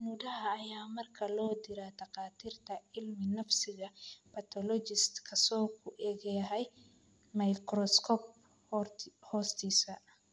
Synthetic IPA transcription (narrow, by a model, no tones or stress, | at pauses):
nudɐɦɐːjaːmɐrkʰɐlɔːd̪ɪɾad̪ɐqɑːt̪ʰiːrt̪ʰɐɪlmɪnɐfsɪɣɐpʰɐt̪ʰɔlɔd͡ʒɪst̪kʰɐsɔːkʰʊʔɛːɣɛɦɛj | mɐjkɾɔskʰɔp | hɔːst̪ʰiːsɐ